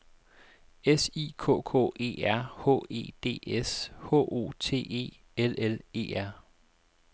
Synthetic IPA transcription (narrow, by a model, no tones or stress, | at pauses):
esiːkʰɔ̰̽ːkʰɔ̰̽ːe̝̰ːæɐ̰hɔ̰e̝̰ːd̥e̝̰ːeshɔ̰ːʔo̝̰ːt͡sʰe̝̰ːe̝̰ː | elele̝̰ːæɐ̰